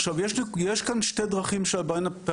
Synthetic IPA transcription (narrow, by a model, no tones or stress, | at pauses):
ʃavjeʃnijeʃkanʃted̪ʁaχimʃeabajnape